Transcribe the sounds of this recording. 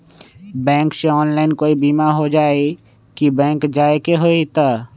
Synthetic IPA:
bɛ̃ːŋkseɔːnlaːɪnkoːibiːmaɦod͡ʒaːe | kibɛ̃ːŋkd͡ʒaːekeɦoit̪a

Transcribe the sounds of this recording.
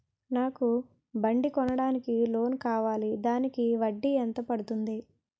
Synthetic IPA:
naːku | bɐɳɖikɔnɐɽaːnikilo̞ːnkaːʋaːlid̪aːnikiʋɐɖːiɛnt̪ɐpɐɽut̪und̪i

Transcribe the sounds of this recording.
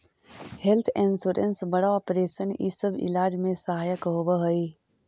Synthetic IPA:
hɛlt̪ʰẽnsuːɾə̰nsbəɽaɔːpɾeːʃənḭsəbɪ̰laːd͡ʒmẽsəɦaːjəkɦoːbəɦoiː

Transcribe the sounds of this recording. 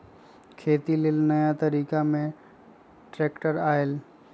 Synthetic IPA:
kʰeːt̪ilɪlnəjat̪əɾiːkamẽ | ʈɾeːkʈəɾaːel

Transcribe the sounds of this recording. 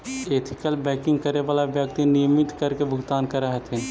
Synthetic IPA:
eːt̪ʰɪ̥kəlbɛːkɪ̃ŋɡ̚kəɾeʋaːlaʋjəkt̪inijəmɪt̪kəɾkebʱʊɡt̪aːnkəɾəɦɛt̪in

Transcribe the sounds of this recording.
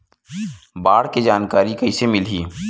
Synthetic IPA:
baːɽked͡ʒaːnkaːɾikɐisemɪlɦiː

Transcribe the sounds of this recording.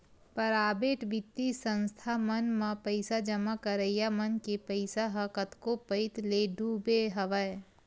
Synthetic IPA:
pəɾaːbeːʈbɪt̪ːisə̃nst̪ʰamənmãpəɪsad͡ʒəmakəɾəjamənkepəɪsaɦəkət̪kopəɪt̪leɖʱubeɦəʋə

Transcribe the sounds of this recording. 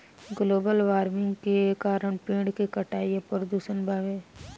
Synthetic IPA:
ɡloːbəlʋaːɾmɪ̃ŋɡkekaːɾəɳpẽːɖkekəʈaːiepəɾd̪uːsənbʱaːʋeː

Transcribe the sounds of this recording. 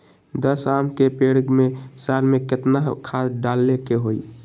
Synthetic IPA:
d̪əsamkepeɽɡmesaɾmeket̪naɦkʰasɖalːekeɦoi

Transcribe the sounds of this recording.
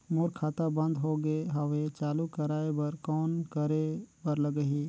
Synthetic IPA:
moːɾkʰaːt̪abɐ̃nd̪ɦoɡəeɦawet͡ʃaːlukəɾaːebɐɾkɔːnkəɾebəɾləɡəɦiː

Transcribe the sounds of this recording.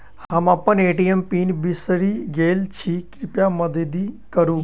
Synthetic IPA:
hɦɐmɐpːəneːʈiːempiːnbisɾiɡeːlt͡ʃʰikɾɪpjamɐd̪ʱed̪i | kəɾũː

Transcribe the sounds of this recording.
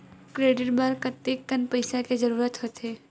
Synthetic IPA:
kɾeːɖɪʈbəɾkɐt̪ːek̚tənpɐɪsakezɐɾuːɾət̪ɦot̪eː

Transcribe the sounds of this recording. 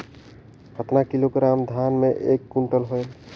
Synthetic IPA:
kʰət̪nakiloɡɾamd̪ʱanmeʔekːuɳʈəlɦoj

